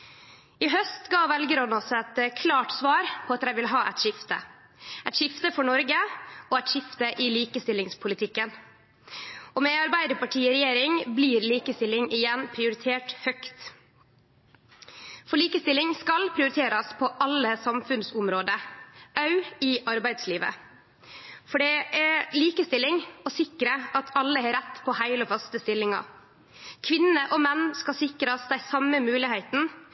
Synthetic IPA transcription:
ɪɦœst̪ɡɑːʋɛlɡəɾɔnɔsɛt̪kʰlɑːʈsʋɑːɾpʰɔːɑt̪ɾæɪʋɪlɦɑːʔɛt̪ʃɪft̪ə̰ | ɛt̪ʃɪft̪əfɔɳɔɾɡəoːɛt̪ʃɪft̪əʔɪliːkəst̪ɪlːɪŋspʰʊlɪt̪ʰɪkːən | oːmeːɑɾbæɪd̪əpʰɑʈʰiːɔɾɛjeːɾɪŋbliːɾliːkəst̪ɪlːɪŋɪjɛnpʰɾɪʊɾɪt̪ʰeːʈhœkt̪ | fɔɭiːkəst̪ɪlɪŋskɑlpʰɾɪʊɾɪt̪ʰeːɾɑspʰɔʔɑlːəsɑmfʉnsʊmɾoːd̪əʔɑʉɪʔɑɾbæɪd̪sliːʋə̰ | fɔɖɛʔɛɾliːkəst̪ɪlːɪŋɔsɪkɾəʔɑt̪ʰɑlːəhɑːɾɛt̪ːpʰɔhæɪlɔfɑst̪əst̪ɪlːɪŋɑ̰ | kʰʋɪnəʔɔmɛnːskɑsɪkɾɑsd̪æɪsɑməmʉːlɪhæɪt̪n̩

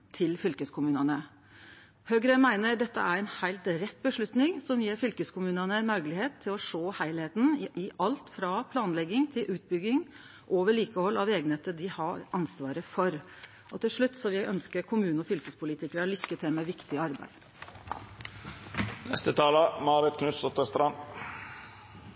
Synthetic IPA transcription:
t̪ʰɪlfʏlkəskʰʊmʉːnənə | høɡɾəmæɪnəɖɛt̪ːəæɾɛnhæɪlt̪ɾɛt̪̚ːbəʂɭʉt̪nɪŋsɔmjeːɾfʏlkəskʊmʉːnɑnənmœɾɡlɪheːt̪ʰːɪlɔʂoːhæɪlheːt̪n̩ɪʔɪʔɑlt̪fɾɑpʰlɑːnlɛɡːɪŋt̪ʰɪlʔʉːt̪̚bʏɡːɪŋ | ʔoːʋəɭiːkəhɔlːɑʋeːɡnheːt̪əd̪ɪhɑɾʔɑnsʋɑːɾəfɔɾ | ʔɔt̪ɪlʂɭʉt̪ːsɔʋɪʔœnskəɾkʰʊmʉːnəɔfʏlkəspʰʊliːt̪ɪkəɾəlʏkːət̪ʰɛmɛʋɪkt̪ɪɑɾbæ̰ɪd̪̥ | nɛ̰st̪ət̪ʰɑːləmɑːɾɪt̪kʰnʉsɔt̪əst̪ɾɑn

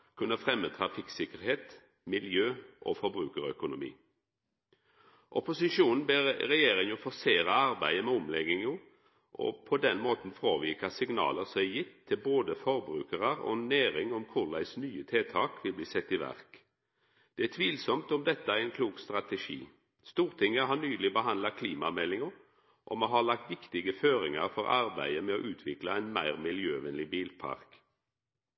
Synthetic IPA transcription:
kʰʉnːəfʁɛmːət̪ʰɾɑfɪksɪkəʁheːt̪ | mɪljøːʔɔ̰fɔɾbɾʉːkəʁœkʊnʊmḭː | ʔɔpʊsɪʃuːnn̩beːʁɾɛjeːɾɪŋjʊːfɔseːʁɑɑɾbæɪəmɛɔmlɛɡɪŋjuː | ʔɔ̰pʰɔd̪ɛnmoːt̪n̩fʁoːʋiːkɑsɪŋnɑ̰ːləʁsɔmjɪt̪ʰːɪlboːd̪əfɔɾbɾʉ̰ːkəʁɑʁɔ̰næːɾɪŋɔmkʰʊʁlæ̰ɪsnyːət̪ʰeːt̪ʰɑːkʋɪlbliːsɛt̪ːiʋæ̰ʁk | d̪̥ɛæt̪ʰʋiːlsɔmt̪ɔmd̪ɛt̪ːəæʁɛɪnkʰluːkst̪ʁɑt̪ɛʃḭː | st̪uːʁt̪ʰɪŋːəɦɑːnyːlɪbəɦɑnd̪lɑkʰliːmɑmɛlːɪŋə | ʔɔ̰moɦɑːlɑk̚t̪ʋɪkt̪ɪɡəføːʁɪŋɑʁfɔʁɑ̰ʁbæɪəmɛo̰ːʔʉːt̪ʰʋɪkləɛɪnmæɪʁmɪljøːʋɛnlɪbiːlpʰɑ̰ʁk

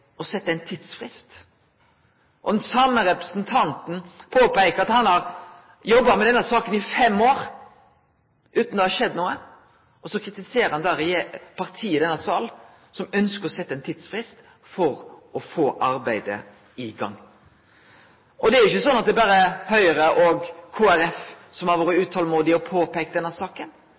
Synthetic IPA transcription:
ɔsɛt̪ːəæɪnt̪ʰiːd̪sfʁɪst̪ | ʔɔd̪nsɑməɾɛpɾəsnt̪ʰɑnt̪n̩pʰoːpæɪkəɾɑt̪hɑnhɑɾ | jɔbːɑmɛd̪ɛnːəsɑːkənɪfɛmːoːɾ | ʔʉːt̪nd̪ɛhɑɾʃɛd̪ːnuːə | ɔsɔkʰɾɪt̪ɪseːɾəɾhɑnd̪æːɾɛjepʰɑʁt̪ʰiːəd̪ɛnːɑsɑːl | sɔmœnskəɾɔsɛt̪ːəɛɪnt̪ʰiːd̪sfʁɪst̪ | fɔɾɔfoːʔɑɾbæɪd̪ə̰ | ɪɡɑ̰ŋː | ʔɔd̪ɛæɾʊɪçːəsɔnːɑt̪̚d̪ɛːbɑːɾəhœʏəɾəʔɔɡkʰoːæɾɛf | sɔmhɑɾʋoːɾəʉːt̪ʰɑləmuːd̪ɪɔpʰoːpɛːk̚t̪d̪ɛnːəsɑːkən

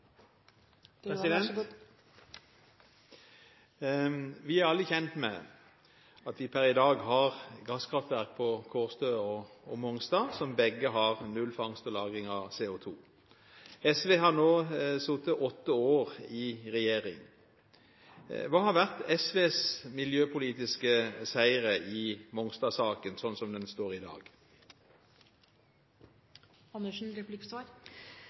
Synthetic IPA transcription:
sɪd̪ɛn | ʋɪæɾʁɑlːəçɛnt̪mɛ̰ | ɑt̪ʋɪpʰæɾɪd̪ɑːɡɦɑʁɡɑskʰɾɑft̪ʋæʁk̚pʰɔkʰoːʁst̪øːɔɔmɔŋst̪ɑːsɔmbɛɡəɦɑʁnʉlfɑŋst̪ɔlɑːɡɪŋɑʋseːʊt̪ʰuː | ɛsʋeːɦɑʁnoːsut̪əʔɔt̪ːəoːʁɪʁɛjeːʁɪ̰ŋ | ʋɑːhɑɾʋæʁt̪ɛsʋeːsmɪljøːpʰʊliːt̪ɪskəsæɪʁəʔɪmɔŋst̪ɑsɑːkənsɔnsɔmd̪ɛnst̪oːʁɪd̪ɑ̰ːɡ | ɑnəʂn̩ɾɛplɪkstɑɾ

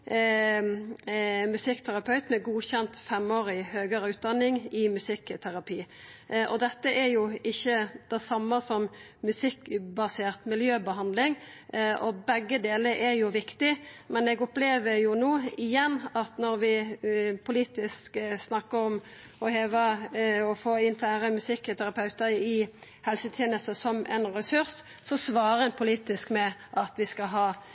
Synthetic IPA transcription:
mʉsɪkːt̪ʰæʁɑpʰɑʉt̪mɛɡuːçɛnt̪fɛmoːɾɪhøːɡəɾəʉːt̪̚d̪ɑnːɪŋɪmʉsɪkːt̪ʰæʁɑpʰiː | ʔɔd̪ɛt̪ːəʔɛɾjʊɪçːəd̪̥ɛsɑmːɑsɔmː | ʉsɪkːbɑseːʁt̪mɪljøːbəɦɑnd̪lɪŋ | ʔɔbɛɡːəd̪eːləɾʔɛɾjʊʋɪkt̪ɪmɛnɛɡɔpleːʋəɾjʊnoːɪjɛnːɑt̪nɔɾʋɪpʰʊliːt̪ɪsksnɑkːəɔm | ɔheːʋəɔfoːɪnflæːɾəmʉsɪkːt̪ʰæɾɑpʰɑʉt̪əɪ | hɛlsət̪ʰjeːnəst̪əsɔmʔɛ̰nɾɛsʉʁs | sɔsʋɑːʁəɛnpʰʊliːt̪ɪskmɛʔɑt̪ʋɪskɑɦɑː

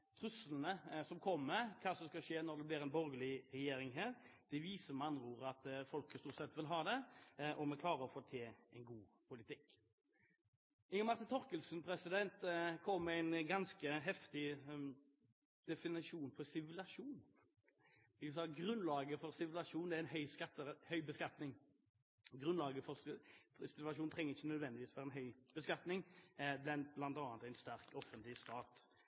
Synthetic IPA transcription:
t̪ʰɾʉsəlnəsɔmkʰɔmːəkʰɑːsɔmskɑʂeːnɔɾd̪ɛblɪɾɛɪnbɔɾɡəlɪɾɛjeːɾɪŋɦæːɾd̪̥ɛʋiːsəmɑnɾuːɾɑt̪fɔlkəst̪uːtsɛt̪ːʋɪlɦɑːd̪ɛʔɔmɛkʰlɑːɾəɔfoːt̪ʰeːɛɪnɡuːpʰʊlɪt̪ʰɪkː | ɪŋəmɑɾʁt̪ɪnt̪ʰɔɾkəlsn̩pʰɾɛsɪd̪ɛnt̪kʰɔmːæɪnɡɑnskəɦɛft̪ɪ | d̪̥ɛfɪnɪʂuːnpʰɔsɪʋlɑʂuːn | ɪsɑːɡʁʉnlɑːɡəfɔɾsɪʋlɑʂuːnæɾɛnɦœʏskɑt̪ːəhœʏbəskɑt̪nɪŋ | ɡʁʉnlɑːɡəfɔɾssɪt̪ʋlɑʃuːnt̪ʰʁɛŋːəɪçːənœd̪ʋɛnd̪ɪʋiːsfɔɾɛnɦœʏb̥əskɑt̪nɪŋblɛnblɑnt̪ɑːt̪æɪnst̪æʁkɔfːənt̪lɪst̪ɑːt̪

